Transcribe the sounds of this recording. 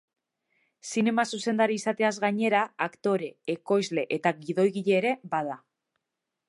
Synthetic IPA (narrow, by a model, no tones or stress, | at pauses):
sine̞masuse̞nd̪aɾiːsat̪e̞azɣaɲe̞ɾaakt̪o̞ɾe̞ːko̞jzle̞ʔet̪aɣiðo̞jɣiʎe̞ːɾe̞bað̞a